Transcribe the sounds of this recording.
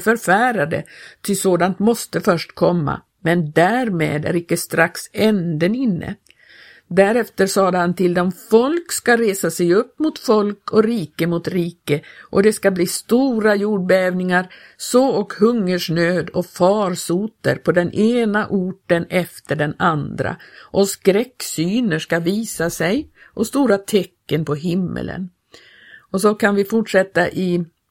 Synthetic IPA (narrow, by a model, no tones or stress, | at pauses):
fœɾfæːɾad̪ə̰t̪ʰɪsoːd̪ant̪mɔst̪əfœʂʈkʰɔmːa̰ | mɛnd̪æɾmḛːd̪æ̰ɾɪkːəst̪ɾaksɛnd̪ənɪnːə̰ | d̪æɾɛft̪əɾsɑːd̪əhant̪ʰɪld̪ɔmfɔlkskaɾeːsasɛjɵpːmʊt̪fɔlkɔɾiːkəmʊt̪ɾiːkəʔɔd̪ɛskabliːst̪uːɾajuːɖ̚bɛɛːvnɪŋaɾ | sɔɔkhɵŋːəʂɳøːd̪ɔfɑːɾsuːt̪ə̰ɾpʰɔd̪ɛnʔeːnaʔuːʈənɛft̪əɖɛnand̪ɾa̰ʔɔskɾɛkːsyːnəʂkaviːsasɛjʔɔst̪uːɾat̪ʰɛkːənpʰɔɦɪmːə̰lə̰n | ɔsɔkʰanvɪfʊʈʂɛt̪ːaʔɪ